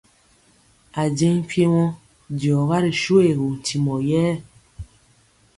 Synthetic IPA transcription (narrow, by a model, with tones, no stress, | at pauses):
a˨d͡ʒe˦ŋ˦pje˦wɔ̃˦ | djɔ˨ɣa˦ɾi˨ʃo˦e˨ɣo˨n̩˨ti˨mɔ˨jɛ˦